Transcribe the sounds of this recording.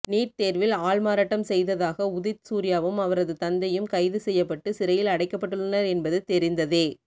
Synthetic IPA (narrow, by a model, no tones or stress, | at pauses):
niːɾt̪eːɾʋɪlaːɭmaːɾaːʈːɐmsɛjðɐðaːɣɐʊðɪt̪suːɾɪjaːʋɯmɐʋɐɾɐðɯt̪ɐnd̪ɐjɯmkɐɪðɯsɛjːɐpːɐʈːɯsɪɾɐjɪlɐɽɐɪkːɐpːɐʈːɯɭːɐnɐɾɛnbɐðɯt̪ɛɾɪnd̪ɐðeː